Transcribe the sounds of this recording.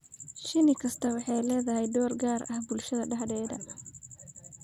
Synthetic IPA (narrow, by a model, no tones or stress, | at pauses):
ʃɪnɪkʰɐst̪ʰɐwɑħɑjlɛːðɐɦɛjd̪ɔːrɡaːrɐhbʊlʃɐðɐɖɑħdɛːd̪ɐ